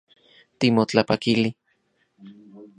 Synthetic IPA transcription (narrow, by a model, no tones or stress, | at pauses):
t̪imot͡ɬapakili